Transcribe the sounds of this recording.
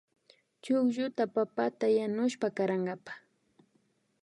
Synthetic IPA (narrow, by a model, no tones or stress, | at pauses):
t͡ʃʊkʒʊt̪apapat̪ajanʊʃpakaɾaɴɢɑpḁ